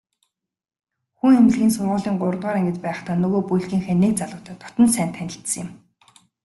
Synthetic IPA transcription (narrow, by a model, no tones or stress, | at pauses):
xuŋemʲt͡ɕɮɣʲiːnsʊrʁə̆ɮiːŋɢʊr̆t̪ʁaːɾæŋɡʲɘ̆t͡ɕpæːχt̪aːnɵɣoːpujɮɣʲiːŋxeːnek̚t͡saɮʊ̆wʰt̪ʰœːt̪ʰɔ̥t̪ɞ̆nsæːnt̪ʰænʲɪ̆ɬt̪sə̆jɪ̆m